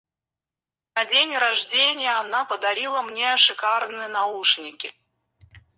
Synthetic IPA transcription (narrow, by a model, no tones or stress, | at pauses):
nɐdʲenʲɾɐʐdʲenʲɪjəɐnapəd̪ɐɾʲilˠəmnʲeɐʂɨkarnɨjənɐuʂnʲɪkʲɪ